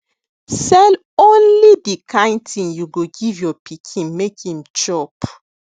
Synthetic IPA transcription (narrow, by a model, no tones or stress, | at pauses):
sɛl | õnlidikʰãɪ̃ntĩnjuɡoɡivjɔpʰikʰĩnmekĩmt͡ʃɔp